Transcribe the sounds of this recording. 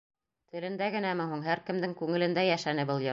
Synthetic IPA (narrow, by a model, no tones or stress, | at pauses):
t̪ɘ̆lɘ̆nd̪æɡɘ̆næmɘɦuɴɦæɾkɘ̆md̪ɘŋkʉŋɘ̆lɘ̆nd̪æjæʃænɘbɤlˠjɤ̆